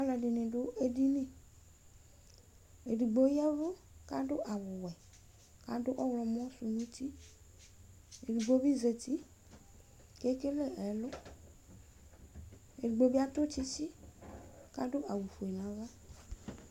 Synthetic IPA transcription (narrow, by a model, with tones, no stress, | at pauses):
a˨˦lɛ˨ɖi˨nẽ˨ɖʊ˦ʔe˦ɖi˦nẽ˨ | e˨di˨ɡ͡bo˦jɛ˦vo˦ | ka˦ɖo˦ʔa˨wʊ˨wɛ˨ | ka˦do˦ʔɔ˦wlɔ˨mɔ̃˦su˨ɲũ˦t̪i˦ | e˨du˨ɡ͡bo˦bi˦ze˨t̪i˦ | ke˦ke˦le˦ɛ˨lʊ˦ | e˨di˨ɡ͡bo˦bi˦a˦t̪o˦t͡ʃi˦t͡ʃi˦ | ka˦ɖo˦ʔa˨wu˨fo˨e˨nã˨za˦